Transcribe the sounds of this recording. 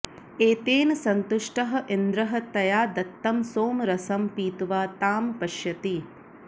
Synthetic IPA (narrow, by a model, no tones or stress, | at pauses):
eːt̪eːnɐsɐnt̪uʂʈɐɦɐ̆ʔind̪ɾɐɦɐ̆t̪ɐjaːd̪ɐt̪ːɐmsoːmɾɐsɐmpiːt̪uʋaːt̪aːmpɐʃjɐt̪i